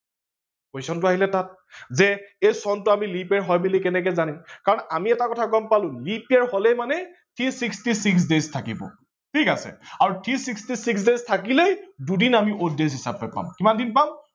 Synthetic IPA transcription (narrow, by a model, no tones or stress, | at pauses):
poisɔntʊaɦilɛtat̚ | zɛejsɔntʊamilipaɹɦɔjbilikɛnɛk̬ɛzanimkaɹɔnamiɛtakɔtʰaɡɔmpalʊ̃lipiaɹɦolɛjmanɛ | tʰisikstisiks̬deztʰakibɔ̰ | tʰikasɛ̰aɹutʰisikstisiks̬deztʰakilejdudinamiʔodezɦisab̚ːɔjpa̰mkimandinpam